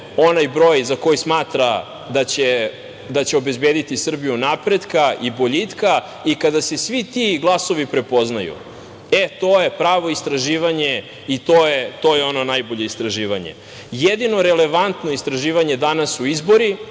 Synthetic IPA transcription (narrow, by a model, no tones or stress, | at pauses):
o̞najbɾoːjzako̞jismaːt̪ɾa | d̪at͡ɕe | d̪at͡ɕe̞o̞be̞zbeːd̪it̪isr̩bijunapɾe̞d̪kaibo̞ʎit̪ka | ikad̪ase̞sʋit̪iɡlˠaso̞ʋipɾe̞po̞znajṵ | et̪oje̞pɾaːʋo̞ist̪ɾaʒiːʋaɲe̞ | it̪oːjet̪o̞ːjeo̞no̞najbo̞ʎeist̪ɾaʒiːʋaɲḛ | jed̪ino̞ɾele̞ʋant̪no̞ist̪ɾaʒiːʋaɲed̪anasuizbo̞ɾi